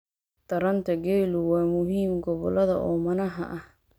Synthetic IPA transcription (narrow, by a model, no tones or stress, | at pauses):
d̪̥ɐɾɐnt̪ʰɐɡɛjlʊwɑːmʊɦiːmɡɔβɔlɐðɐ̰ʔɔːmɐnɐɦɐ̰ʔɐh